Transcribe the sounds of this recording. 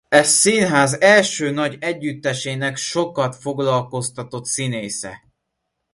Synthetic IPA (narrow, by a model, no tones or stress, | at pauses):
ɛsinɦaːzɛlʃøːnɒɟɛɟːyt̪ːɛʃeːnɛkʃo̞kɒt̪fo̞ɡlɒlko̞st̪ɒt̪o̞t̪sineːsɛ̰